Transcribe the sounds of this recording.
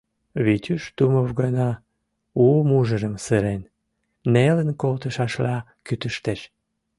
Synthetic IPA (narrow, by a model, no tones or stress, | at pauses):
βit̪ʲyʃt̪umovɣənɑ | umuʒəɾəmsɨɾen | nelənkolt̪əʃɑʃlɑ | kyt̪əʃt̪eʃ